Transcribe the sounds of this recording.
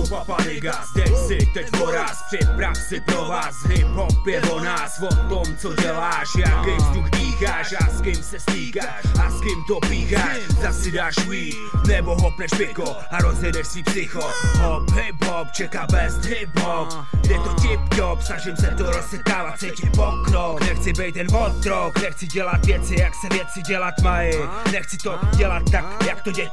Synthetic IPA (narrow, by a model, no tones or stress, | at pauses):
ppanɪɡa | d̪ɛcsɪt̪ɛcvoɾaːsprɪpɾafsɪpɾovaːsɦɪpɦopjɛvonaːsvot̪omt͡soɟɛlaːʃjakɛjvzd̪uxbiːxaːʃaskɪmsɛstiːka | ʃaskɪmt̪opiːxaʃzasɪdaːʃviːt | nɛboɦopnɛʃpɪko | aɾozjɛdɛʃsipsɪxoɦopɦɪbopt͡ʃɛkaːbɛst̪ɦɪbop | dɛt̪ocɪpt̪opsnaʒɪmsɛt̪oɾossɛt̪̚kaːvat̪̚sɛjcɪt̪̚pokɾoknɛxt͡sɪbɛjt̪jɛnvot̪ɾoknɛxt͡sɪɟɛlat̪vjɛt͡sɪjaksɛvjɛt͡sɪɟɛlat̪majɪ | nɛxt͡sɪt̪oɟɛlat̪ːakjakt̪oɟɛ